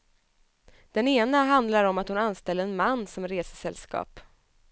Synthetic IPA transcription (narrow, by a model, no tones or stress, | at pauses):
d̪̥ɛneːnaɦand̪laɾɔmat̪hʊnanːst̪ɛlːəɾɛnmanːsɔmɾeːsə̥sɛlskɑ̰ːp